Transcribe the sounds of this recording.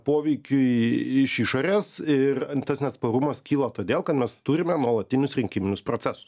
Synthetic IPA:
poːʋʲɛɪkʲʊɪɪʃiʃoːɾʲeːsɪrt̪ɐsnʲɛt̪spɐɾʊmɐskʲiːlˠɐt̪oːd̪ʲeːlˠkɐt̪mʲɛst̪ʊɾʲɪmʲɛnuɔlˠɐt̪ʲɪnʲʊsɾʲɪŋʲkʲɪmʲɪnʲʊspɾoːtsʲɛsʊ̥s

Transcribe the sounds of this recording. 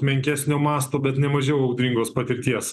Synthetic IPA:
mʲɛŋʲkʲæːsʲnʲoːmɑːst̪oːbʲɛt̪nʲɛmɐʒʲɛʊɐʊd̪ʲɾʲɪŋɡoːspɐt̪ʲɪɾʲt̪ʲiɛs

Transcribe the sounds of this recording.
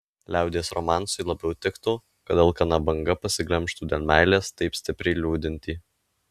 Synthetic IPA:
lʲæˑʊd̪ʲeːsɾɔmɑːˑnsʊɪlˠɐbʲɛʊt̪ʲɪkt̪oː | kɐd̪ʲɐlˠkɐnɐbɐŋɡɐpɐsʲɪɡlʲɛmʲˑʃt̪uːd̪ʲeːlʲˠmʲæˑɪlʲeːst̪ɐɪpsʲt̪ʲɪpʲɾʲɛɪlʲuːd̪ʲɪnʲt̪ʲiː

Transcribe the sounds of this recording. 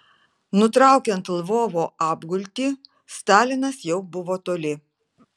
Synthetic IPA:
nʊt̪ɾɑˑʊkʲɛnt̪lˠʋoːʋoːɑːbɡʊlʲt̪ʲiː | st̪ɑːlʲɪnɐsjɛʊbʊʋoːt̪oːlʲɪ

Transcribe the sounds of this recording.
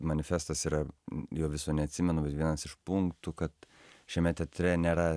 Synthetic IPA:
mɐnʲɪfʲɛst̪ɐsiːɾɐjoʊːʋʲɪsoːnʲɛɐt̪ʲsʲɪmʲɛnʊbʲɛt̪ʋʲiɛnɐsɪʃpuŋkt̪ʊkɐt̪ | ʃʲɛmʲɛt̪ʲɛːt̪ʲɾʲɛnʲeːɾɐ

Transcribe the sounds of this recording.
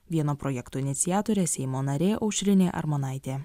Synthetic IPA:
ʋʲiɛnoːpɾɔjɛkt̪oːɪnʲɪt̪sʲɪjæːt̪oːɾʲeːsʲɛɪmoːnɐɾʲeːʔɐʊʃʲɾʲɪnʲeːʔɐ̰ɾmɔnɑˑɪt̪ʲeː

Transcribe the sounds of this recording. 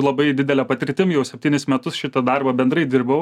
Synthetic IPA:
lˠɐbɐɪd̪ʲɪd̪ʲɛlʲɛpɐt̪ʲɪɾʲt̪ʲɪmjɛʊsʲɛpʲt̪ʲiːnʲɪsmʲɛt̪ʊsʃʲɪt̪ɐd̪ɑɾbɐbʲɛnd̪ɾɐɪd̪ʲɪɾbɐʊ

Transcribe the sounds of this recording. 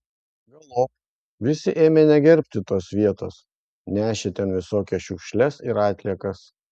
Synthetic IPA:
ɡʲɛlˠoːp | ʋʲɪsʲɪʔeːmʲenʲɛɡʲɛɾʲpʲt̪ʲɪt̪oːsʋʲiɛt̪oːs | nʲæːʃʲet̪ʲɛnʋʲɪsoːkʲɛʃʲʊkʃʲlʲɛsɪɾɑːt̪ʲlʲiɛkɐs

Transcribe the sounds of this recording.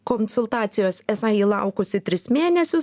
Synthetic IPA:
konsʊlˠt̪ɑːt̪sʲɪjoːsɛsɑiːlˠɑˑʊkʊsʲɪt̪ʲɾʲɪsmʲeːnʲɛsʲʊs

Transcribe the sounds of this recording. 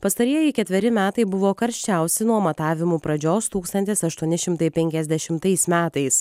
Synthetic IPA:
pɐst̪ɐɾʲiɛjɪkʲɛt̪ʲʋʲɛɾʲɪmʲæːt̪ɐɪbʊʋoːkɐɾʲʃʲt͡ʃʲæˑʊsʲɪnuɔmɐt̪ɑːʋʲɪmuːpɾɐd͡ʒʲoːst̪uːkst̪ɐnʲt̪ʲesɐʃt̪uɔnʲɪʃʲɪmt̪ɐɪpʲɛŋʲkʲɛzʲd̪ʲɛʃʲɪmt̪ɐɪsmʲæːt̪ɐɪs

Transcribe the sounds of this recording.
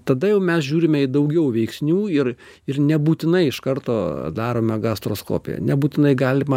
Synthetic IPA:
t̪ɐd̪ɐjɛʊmʲɛsʒʲuːɾʲɪmʲɛɪd̪ɐʊɡʲɛʊʋʲɛɪksʲnʲuːɪr | ɪrnʲɛbuːt̪ʲɪnɐɪɪʃkɐrt̪oːd̪ɑːɾoːmʲɛɡɑst̪ɾoːsko̰ːpʲɪ̰jɛ̰nʲɛbuːt̪ʲɪnɐɪɡɑːlʲɪmɐ

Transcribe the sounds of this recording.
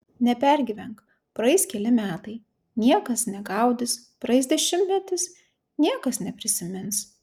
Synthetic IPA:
nʲɛpʲɛɾʲɡʲɪʋʲɛŋk | pɾɐɪskʲɛlʲɪmʲæːt̪ɐɪ | nʲiɛkɐsnʲɛɡɐˑʊd̪ʲɪs | pɾɐɪsd̪ʲɛʃʲɪmʲt̪ʲmʲɛt̪ʲɪs | nʲiɛkɐsnʲɛpʲɾʲɪsʲɪmʲɪns

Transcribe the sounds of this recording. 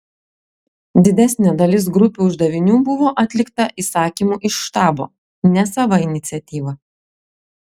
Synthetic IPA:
d̪ʲɪd̪ʲæsʲnʲed̪ɐlʲɪsɡɾʊpʲuːʊʒd̪ɐʋʲɪnʲuːbʊʋoːʔɐt̪ʲlʲɪkt̪ɐʔisɑːkʲiːmuːʔɪʃːt̪ɑːbo̰ː | nʲɛsɐʋɐɪnʲɪt̪sʲɛt̪ʲiːʋɐ

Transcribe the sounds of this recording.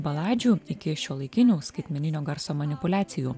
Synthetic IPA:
bɐlˠɑːd͡ʒʲuːɪkʲɪʃʲoːlˠɐɪkʲɪnʲuːskɐɪt̪ʲmʲɛnʲɪnʲoːɡɐɾsoːmɐnʲɪpʊlʲæːt̪sʲɪjuː

